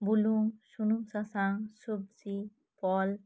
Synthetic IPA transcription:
buluŋʃunumsasaŋsobsi | pɔl

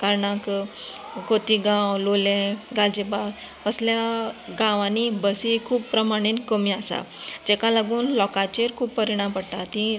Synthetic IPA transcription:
kaɾɳak | ɡot̪iɡãwlolẽɡald͡ʑeba | əsljaɡãʋãnibəsikʰuːbpɾəmaɽ̃iːnkəmiasa̰d͡ʑekalaɡuːnlɔkat͡ɕeɾkʰuːbpːəɾiɽ̃ãmpəɽt̪at̪i

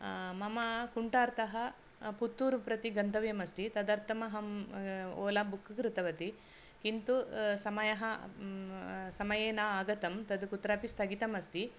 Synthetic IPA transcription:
mɐmɐkuɳʈaːɾt̪ɐɦɐ | put̪ːuːɾupɾɐt̪iɡɐnd̪ʱɐʋjɐmɐst̪it̪ɐd̪ɐɾt̪ɐmɐɦɐm | oːlaːmbukʰːukɾɪt̪ɐʋɐt̪i | kint̪usɐmɐjɐɦɐ | sɐmɐjeːnaːaːɡɐt̪ɐmt̪ɐd̪ukut̪ɾaːpist̪ɐɡit̪ɐmɐst̪i

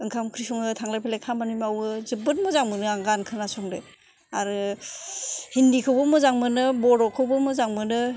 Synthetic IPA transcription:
ɯŋkʰamkʰɾisɔŋɯtʰaŋlapʰelekʰamanimawɯzɯbɯt̚mɔzaŋmɯnɯaŋɡankʰɯnasɔŋde | aɾɯ | hindikʰɯwbɯmɯzaŋmɯnɯbɔɾɔkʰɯwbɯmɯzaŋmɯnɯ

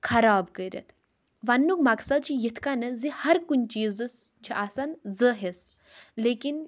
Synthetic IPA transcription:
kʰɐɾaːbkəɾʲɐ̰t̪ʰ | ʋɐnːukmɐksɐd̪̚t͡ʃʰijit̪ʰkanɐzihɐɾkunt͡ʃiːzɨs | t͡ʃʰiʔaːsɐnzəɦes | leːkin

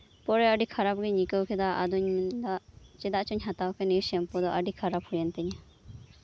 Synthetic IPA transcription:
pɔɾɛaɖikʰaɾap̚ɡiɲikəwkʰɛd̪aʔad̪uɲd̪aʔt͡ʃɛd̪aʔt͡ʃuɲɦat̪awkʰɛniɾsɛmpɔd̪ɔʔaɖikʰaɾaphujɛnt̪ɛɲa

